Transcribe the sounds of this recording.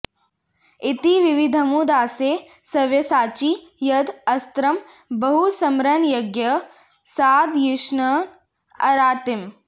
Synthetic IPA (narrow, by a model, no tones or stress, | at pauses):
it̪iʋiʋid̪ʱɐmud̪aːseː | sɐʋjɐsaːt͡ʃijɐd̪ɐst̪ɾɐm | bɐɦusɐmɾɐnjɐɡjɐ | saːd̪jiʃnɐn | ɐ̰ɾaːt̪im